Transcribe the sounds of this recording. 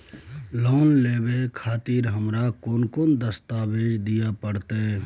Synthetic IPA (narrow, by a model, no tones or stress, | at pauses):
loːnleːbekʰaːt̪iːɾɦəmɾakoːnkond̪əst̪aːbeːd͡ʒd̪ijapəɽt̪e